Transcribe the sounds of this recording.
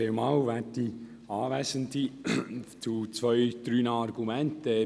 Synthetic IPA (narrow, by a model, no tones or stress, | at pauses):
emɑwʋæti | ɑːvæːsənd̪i | t͡sut͡sʋœʏd̪̥ɾyːnɑɾɡumɛnt̪ə